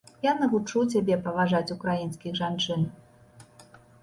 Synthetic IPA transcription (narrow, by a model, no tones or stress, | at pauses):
janɐvut͡ʂut͡sʲabʲɛpɐvaʐat͡sʲukɾajinskʲiɣʐant͡ʂɨn